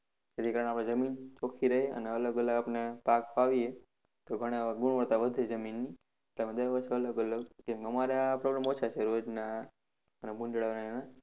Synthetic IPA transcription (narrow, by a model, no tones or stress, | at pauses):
d͡ʒet̪ʰikaɾəɽ̃apɽ̃ed͡ʒəmint͡ʃokʰiɾəɦeə̰neələɡələɡapnepakfaʋie | t̪oɡʱəɽ̃eɡuɳ̃ʋəɾt̪aʋəd̪ʱed͡ʒəminːi | eʈlemãd̪əɾʋəɾʃeələɡələɡd͡ʒɛ̃mkeəmaɾeapɾoɡɾamot͡ʃʰat͡ʃʰeɾod͡ʒna | ənebũnɖɭaʋnana